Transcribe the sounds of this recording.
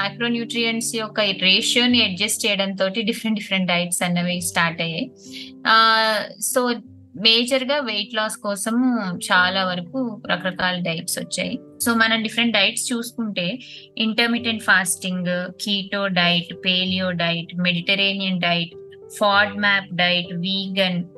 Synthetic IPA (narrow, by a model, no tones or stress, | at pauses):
majkɾo̞ːnjuːʈɾijɐnsiɔkɐɾeːʂo̞ːniɐɖ̚d͡ʒɐst͡ʃɛjɐɽɐnt̪̬o̞ːʈiɖifʰɾeɳɖifɐɾeɳʈ̚ɖɐjʈsɐnːɐʋeːsʈaːɾʈɐjaːji | soː | meːd͡ʒɐɾɡaːʋejʈlaːskɔːsɐmt͡ʃaːlaːʋɐɾɐkuɾɐkɐɾɐkaːlɐɖɐjʈsʋɐt͡ʃːa̰ːji | so̞ːmɐnɐmɖifɾeɳʈ̚ɖɐjʈst͡ʃuːsu̥kuɳʈe̞ː | iɳʈɐɾmiʈeɳʈpʰaːsʈiŋɡkiːʈoːɖɐjʈpeːlijoːɖɐjʈmeɽiʈɐɾeːnijɐnɖɐjʈ | pʰaːɖmaːpɖɐjʈʋiːɡɐn